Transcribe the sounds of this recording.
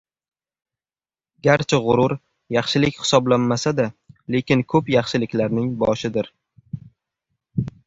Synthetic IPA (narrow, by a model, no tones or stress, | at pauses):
ɡʲaɾt͡ʃʰɪʁʊɾʊɾ | jɑχʃɪlɪkʲhɪ̥sɒblanmasad̪ale̞kʲɪnkʰɵpjɑχʃɪlɪkʲlaɾnɪŋbɒʃɪd̪ɪɾ